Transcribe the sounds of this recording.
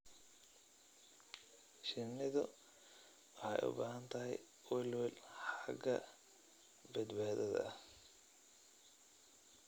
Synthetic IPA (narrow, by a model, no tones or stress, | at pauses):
ʃɪnɪðʊ | wɑħɑjʊ̰baːhɐnt̪ʰɐɦɛ̰j | wɛlwɛlħɑɡɐ | bɐd̪baːðɐðɐ̰